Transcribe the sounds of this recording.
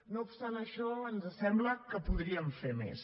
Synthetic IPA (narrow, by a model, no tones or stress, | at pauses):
noupst̪anəʃɔənzəsɛmbləkəpuðɾiəɱfemḛs